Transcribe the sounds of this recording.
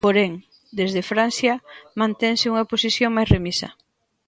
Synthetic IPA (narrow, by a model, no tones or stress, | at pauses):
poɾɛŋ | d̪ezðefɾanθjɐmãnt̪ɛŋsɪuŋaposiθjoŋmajsremisɐ̰